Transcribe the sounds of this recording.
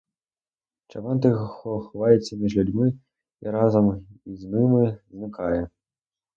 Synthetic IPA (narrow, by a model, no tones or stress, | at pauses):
t͡ʂavant̪̬ɨɣxɔxɔvajɛsʲːɐmʲiʐlʲud͡zʲmɨ | iɾazɐmiznɨmɨznɨkajɛ